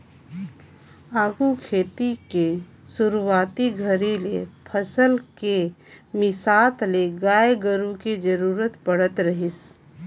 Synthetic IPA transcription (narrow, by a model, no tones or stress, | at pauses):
aːɡukʰeːt̪ike | sʊɾwaːt̪iɡʱəɾilepʰəsəlkemɪsaːt̪leɡaːeɡəɾũkid͡ʒəɾuːɾət̪pəɽ̤ət̪ɾəɦɪs